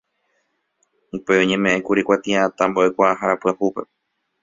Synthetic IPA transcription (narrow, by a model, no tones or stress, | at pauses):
upe̞oɲẽmẽʔẽkuɾikʷat̪iãt̪amboʔekʷaaɦaɾapɨahupe̞̰